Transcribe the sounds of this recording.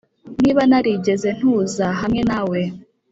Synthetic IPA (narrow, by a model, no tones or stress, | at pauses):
niːβanaɾiɟe̞ze̞n̥huzaɦamŋe̞nawe̞